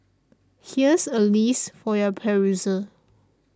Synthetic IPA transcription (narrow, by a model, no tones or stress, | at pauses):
hiəsəlisfɔjəpʰɛɹuzə